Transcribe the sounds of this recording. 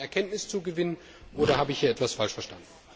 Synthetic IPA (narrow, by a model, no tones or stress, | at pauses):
ɛɐkʰɛntnɪst͡suɡəvɪnən | ʔoːɾɐhaːbəɪçhiːɐɛtv̥asfalʃfɛɐʃtandn̩